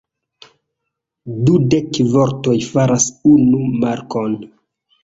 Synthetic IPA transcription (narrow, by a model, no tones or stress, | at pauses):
dudekvoɾto̞jfaɾasunumaɾkon